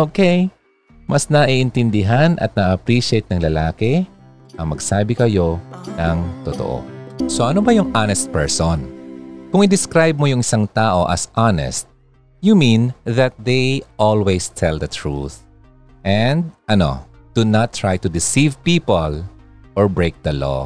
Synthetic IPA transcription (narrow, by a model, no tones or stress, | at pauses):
ʔokej | mʔɐsnɐʔiʔɪnt̪ɪnd̪ɪɦanʔɐ̰t̪̚nɐɐpɾiʃɪejt̪̚nɐŋlɐlaːkɛ | ʔɐŋmɐɡsaːbɪkɐjo̞nɐŋt̪ot̪o̰ʔo̰soʔɐnobɐjʊŋʔanɛst̪̚pɛɹsonkʊŋɪd̪ɪskɾajb̚mojʊŋɪsaŋt̪aːʔo̞ʔɐ̰sʔanɛ̰st̪̚ | jumĩnðɐt̪̚d̪ejʔolwɛjst̪ʰɛld̪ɐt̪ʰɹṵθ | ʔɛ̃nd̪̚ʔɐno̞̰ | d̪̥unɐt̪ːɹajt̪ʊd̪ɪsivpiːpol | ʔoɹbɹejk̚d̪ɐlo̰